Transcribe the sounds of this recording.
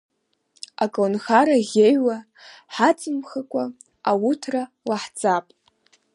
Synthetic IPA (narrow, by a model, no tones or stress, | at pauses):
akʼonxaɾaɣʲejwa | ħat͡sʼɨmχakʷʼa | awutʰra | laħt͡sʼapʼ